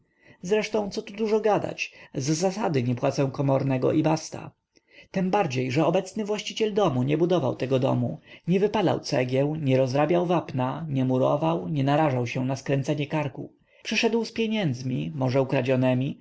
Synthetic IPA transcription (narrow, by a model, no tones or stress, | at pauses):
zɾɛʂt̪ɔ̃w̃t̪sɔt̪ud̪uʐɔɡad̪a̰t͡ɕzːasad̪ɘɲɛpwat̪sɛw̃kɔmɔɾnɛɡɔ̰ʔibast̪a̰ | t̪ɛmbaɾd͡ʑejʐɛɔbɛt̪snɘvwaɕt͡ɕit͡ɕɛld̪ɔmuɲɛbud̪ɔva̰wt̪ɛɡɔd̪ɔ̰muɲɛvɘpala̰wt̪sɛɡʲjɛw̃ɲɛɾɔzɾabʲjawvapnaɲɛmuɾɔvawɲɛnaɾaʐawɕɛnaskɾɛnt̪sɛɲɛkaɾkṵ | pʂɘʂɛd̪wspʲjeɲɛnd̪zmʲimɔʐɛukɾad͡ʑɔnɛmʲi